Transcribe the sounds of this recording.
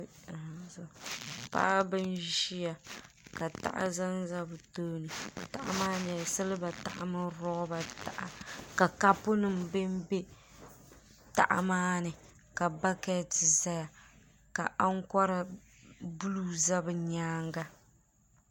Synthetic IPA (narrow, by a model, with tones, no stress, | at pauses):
zɔ˨pa̰˦ʔa˦bɨ˦nʒi˦ja˨ | ka˨ta̰˦˨ʔa̰˦za˦nza˦bɨ˨toː˦nɨ˨ta˨ʔa̰˦maː˦nɪ˨a˨sɨ˦lɨ˦ba˨ta˨ʔa˨mɨ˦ɾɔ˦ba˨ta˨ʔa˨ka˨ka˦pʊ˦nɨ˨m˨bɨ˦m˦be˦ | ta̰˨ʔa̰˨maː˦nɨ˨ | ka˨ba˦kɛ˦˨tɪ˨za˦ja˨ | ka˨ʔa˦ŋ˦kɔ˦ɾa˨ | bu˦lu˦za˦bɨ˨ɲaː˦ŋɡa˦